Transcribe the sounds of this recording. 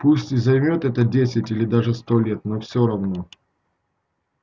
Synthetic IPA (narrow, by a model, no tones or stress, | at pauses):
pusʲtʲɪzɐjmʲo̞t̪ɛt̪ədʲesʲɪtʲilʲɪd̪aʐɨst̪o̞lʲet̪nofsʲoɾɐvno̞